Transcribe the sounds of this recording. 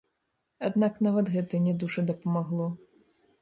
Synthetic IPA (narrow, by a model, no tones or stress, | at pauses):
ad̪naknavɐt̪ɣɛt̪ɨnʲɛd̪uʂɨd̪ɐpɐmaɣlˠɔ